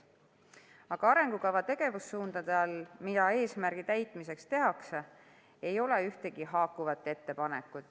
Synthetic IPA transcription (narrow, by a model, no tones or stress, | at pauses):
ɑɡ̥ɑɑɾe̞ŋɡ̥ukɑvɑt̪e̞ɡ̥e̞vusːuːnd̪̥ɑd̪̥eɑlmid̪̥ɑe̞ːsmæɾɡ̥it̪æjt̪ˑmise̞kst̪e̞ɦɑkse | e̞jo̞le̞yht̪e̞ɡ̥iɦɑːkːuvɑt̪ːˑe̞t̪ːe̞pɑne̞kːˑut̪ːˑ